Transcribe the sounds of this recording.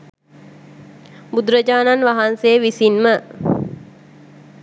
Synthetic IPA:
bud̪uɾəd͡ʒaːnanʋaɦansejəʋisinmə

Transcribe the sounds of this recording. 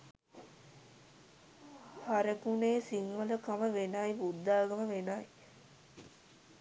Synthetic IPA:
haɾəkuneːsiŋʋələkaməʋenajbud̪ːaːɡəməʋenaj

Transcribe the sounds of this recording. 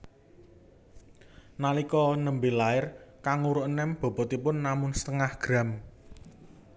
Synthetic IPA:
nalikɔnəmbelaɪrkaŋuɾʊʔənɛmb̥ɔ̤b̥ɔ̤t̪ipʊnːamʊnsə̥t̪əŋahɡ̥ɾa̤m

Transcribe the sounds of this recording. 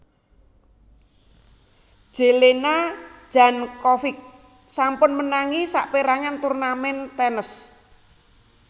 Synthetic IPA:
ʒ̥e̤lenḁʒ̥a̤nkɔfɪk̚ | sampʊnmənaŋisaʔpeɾaɲant̪urnamɛnt̪ɛnəs

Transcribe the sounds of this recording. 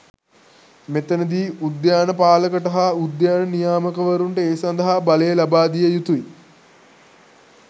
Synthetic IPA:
met̪ənəd̪iːud̪jaːnəpaːləkəʈəɦaud̪jaːnənijaːməkəʋəɾuɳʈəeːsɐnd̪ɐɦabaləjəlabaːd̪ijəjut̪ui

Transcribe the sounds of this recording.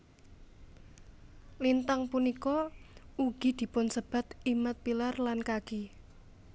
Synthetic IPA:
lint̪aŋpunikɔuɡ̥i̤d̪̥i̤pʊnsəb̥a̤t̪imət̪̚pilarlankaɡ̥i

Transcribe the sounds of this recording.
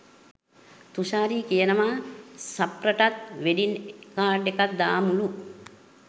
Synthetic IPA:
t̪uʃaːɾiːkijənəʋaːsapɾəʈat̪ʋeɖinkaːɖekat̪̚d̪aːmulu

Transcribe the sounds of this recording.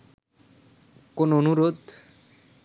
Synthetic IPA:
konoonuɾod̪

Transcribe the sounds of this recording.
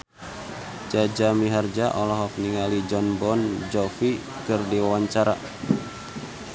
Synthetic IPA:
d͡ʒad͡ʒamiɦard͡ʒaʔɔlɔɦɔk̚niŋalid͡ʒɔnbɔnd͡ʒɔfi | kɨrdiwawaɲt͡ʃaɾa

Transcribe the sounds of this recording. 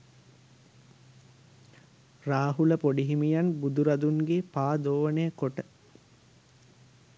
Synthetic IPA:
raːɦuləpoɖiɦimijanbud̪uɾad̪uŋɡepaːd̪oːʋəneːkoʈə

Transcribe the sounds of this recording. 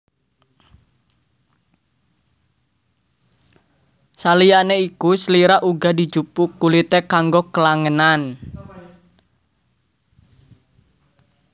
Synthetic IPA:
salijaʔneikusəliɾaʔuɡa̤di̤d͡ʒupukːulit̪ekaŋɡokəlaŋənan

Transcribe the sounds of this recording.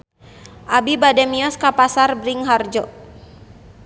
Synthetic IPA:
ʔabibadɛmiɔskapasarbɾiŋɦard͡ʒɔ

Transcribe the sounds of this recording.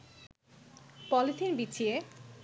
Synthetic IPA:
pɔlit̪ʰiɾbit͡ɕʰije

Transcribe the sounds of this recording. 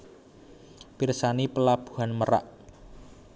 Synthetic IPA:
pirsanipəlab̥u̥̤ɦanməɾa̰ʔ

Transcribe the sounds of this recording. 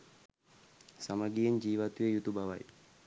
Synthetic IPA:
samaɡijeɲd͡ʒiːʋat̪ujejut̪ubaʋa̰j

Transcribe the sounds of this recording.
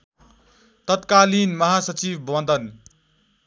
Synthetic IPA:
t̪ʌt̪kalinmʌɦasʌt͡sibwʌnd̪ʱʌn

